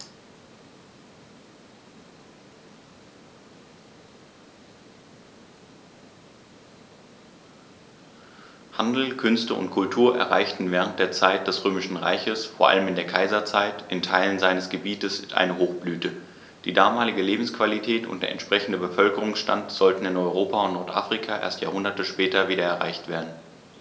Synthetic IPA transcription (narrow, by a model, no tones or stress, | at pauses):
handl̩kʰʏnstəʔʊ̰ntkʰʊltʰuːɐʔɛ̰ɐʁa̰ɪçtn̩vɛːʁ̞ənt̚d̥eːɐt͡saɪt̚d̥ɛsʁøːmɪʃn̩ʁa̰ɪçəsfoːɐʔa̰ləmɪndeːɐkʰaɪzɐt͡saɪtʔɪntʰaɪlənzaɪnəsɡ̥əbiːtəsʔa̰ɪnəɦoːxb̥lyːtə | d̥ḭːdaːmaːlɪɡəleːbm̩skv̥alitʰɛːtʊ̰nt̚d̥eːɐɛ̰nʃpʁ̥ɛçn̩dəbəfœlkəʁʊŋsʃta̰ntz̥ɔltn̩ɪnɔʏʁ̞oːpaʊntnɔɐtʔa̰ːfʁ̥ikʰaʔḛɐstjaːɐhʊndɐtəʃpɛːtɐviːdɐɛɐʁa̰ɪçtv̥eːɐdn̩